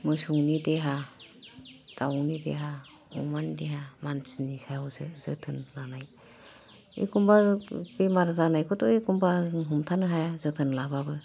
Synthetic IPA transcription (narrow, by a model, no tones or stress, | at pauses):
mɯjsuŋnideɦa | d̥awnidḛɦa | ɔ̰mandeɦamansinisajɔzɯz̥ɯtʰɯnlanaj | ḛkʰumbabemaɾzanajkʰɔtɔekumbaɦumtʰanɯɦajazɯtʰɯnlababɯ